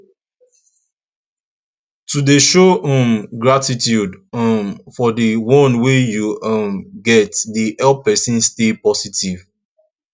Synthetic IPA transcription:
tudeʃoɔ̃mɡɹatitjudmfɔdəwɔ̃nwejuʌmɡɛtdiʔɛlpɛsĩnstepɔsitiv

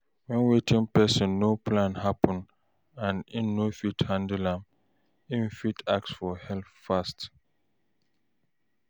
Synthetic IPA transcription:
wɛ̃nwetʰĩŋpɛsə̃nːopʰlãnhapə̃n | ãnĩnːofithãndəlãm | ĩnfitʰak̚sfɔhɛlffast

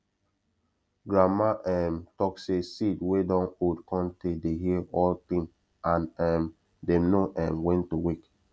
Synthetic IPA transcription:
ɡɹamaʔɛmtɔksesidwedɔ̃nodkʰɔ̃ntedeɦiəʔɔlt̪ĩŋ | ãnɛm | denoʔɛ̃mwɛ̃ntuwik

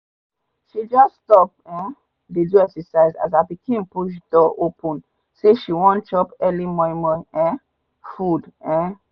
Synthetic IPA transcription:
ʃid͡ʒɔsstɔp̚ɛ̃ | deduɛksəsaɪza̰zaɪbikʰĩmpuʃ̬d̥ɔʔopə̃n | seʃiwɔ̃nt͡ʃɔpɛlimɔ̃mɔ̃ɛ̃ | fudɛ̃

